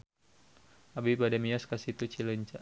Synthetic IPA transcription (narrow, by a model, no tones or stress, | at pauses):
ʔabibadɛmiɔskasit̪ut͡ʃiləɲt͡ʃa